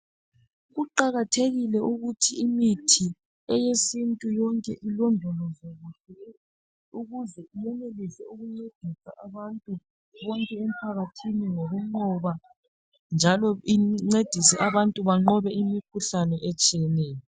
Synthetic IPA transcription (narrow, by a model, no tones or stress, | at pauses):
ɣuǃaɣatʰeɣilɛʔuɣutʰiimitʰi | ɛjesintʼujɔŋkʼɛʔilɔndʱɔlɔzoɣuɬɛɛ | uɣuzɛumɛnelizɛuɣuŋ͡ǀed̥ʱisaʔaβantʼu | βɔŋkʼɛem̩pʰaɣatʰiniŋoɣuŋ͡ǃɔβa | nd͡ʒʱalɔiŋ͡ǀed̥ʱisɛʔaβantʼuβaŋ͡ǃɔβɛimikʰuɬanɛʔɛt͡ʃʼijɛnɛːjɔ